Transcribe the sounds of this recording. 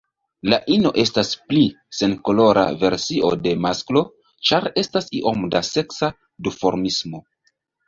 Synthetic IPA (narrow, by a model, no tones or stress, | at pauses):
laʔino̞ʔe̞staspli | se̞nko̞lo̞ɾa̰ve̞ɾsio̞̰de̞masklo̞ | t͡ʃaɾe̞stasiʔo̞mdase̞ksa | dufo̞ɾmismo̞